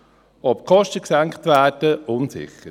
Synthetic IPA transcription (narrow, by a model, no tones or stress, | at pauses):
ɔp̚kʰɔʃtəksæŋkχt̪ʋæːd̥əʔʊnsɪ̰χəɾ